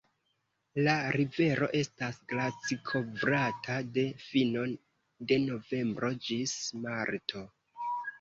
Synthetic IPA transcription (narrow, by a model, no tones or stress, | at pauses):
laɾive̞ɾo̞ʔe̞stasɡlasikʰo̞vɾatʰade̞fino̞n | de̞no̞ve̞mbɾo̞d͡ʒismaɾtʰo̞